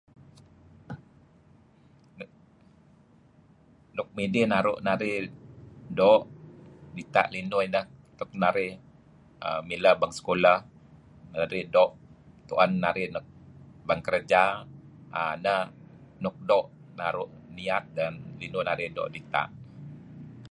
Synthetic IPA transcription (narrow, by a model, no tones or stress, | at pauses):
nʊk̚midɪhnaɾʊʔnaɾɪh | dɔʔdit̪a̰ʔlinʊinəht̪ʊk̚naɾɪh | ə̰miləhbaŋsə̥kolah | naɾɪhdɔʔ | t̪uʔanːaɾɪhnʊk̚baŋkəɾəd͡ʒa | ənəhnʊk̚dɔʔ | naɾʊʔ | niat̪̚danlinʊnaɾɪhdɔ̰ʔdit̪a̰ʔ